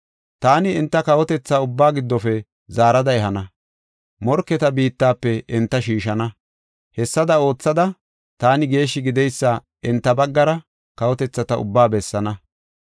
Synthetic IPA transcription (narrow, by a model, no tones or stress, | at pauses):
t̪aːnɪɪnt̪ːɐkɐwɔt̪ɛt͡sːaʊbːaːɡɪd̪ːɔfɛ | zaːɾɐd̪ɐɛɦɐnɐ | mɔɾkːɛt̪ɐbiːt̪ːaːpːɛɪnt̪ːɐʃiːʃɐnɐ | hɛsːɐd̪ɐo̞ːt͡sːɐd̪ɐ | t̪aːnɪɡe̞ːʃːɪɡɪd̪ɛjsːɐ | ɪnt̪ːɐbɐɡːɐɾɐ | kɐwɔt̪ɛt͡sːɐt̪ɐʊ̰bːaːbɛsːɐnɐ